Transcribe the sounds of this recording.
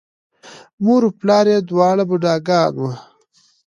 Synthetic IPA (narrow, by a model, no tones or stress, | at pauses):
muɾuplɑːɾed̪wɑːɽabuɖaːɡɑːnwɐ